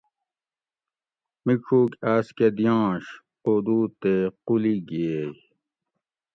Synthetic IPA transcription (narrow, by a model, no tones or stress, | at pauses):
mikʰuːkaːsked̪jãːɕ | qod̪uːt̪equliɡiej